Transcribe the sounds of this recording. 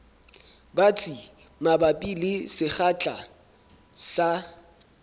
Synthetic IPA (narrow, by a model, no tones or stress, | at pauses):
bat͡sʼi | mabapʼilɪsɪχat͡ɬʼa | sa